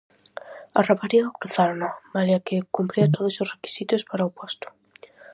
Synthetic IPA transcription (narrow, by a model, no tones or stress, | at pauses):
arapaɾiawkɾuθaɾnomalakekumpɾiat̪oðuzusreki̥sit̪uspaɾawpɔst̪u̥